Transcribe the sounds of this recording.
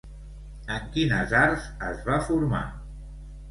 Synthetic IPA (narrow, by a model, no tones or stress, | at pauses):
əŋkinəzaɾzəzβafuɾma̰